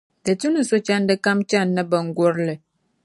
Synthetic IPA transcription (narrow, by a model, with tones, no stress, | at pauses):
də˨tu˦nə˨so˦t͡ʃa˦n˦də˦ka˦mt͡ʃa˦˨nːə˦bə˨ŋ̩˦ɡo˦ɾlə˨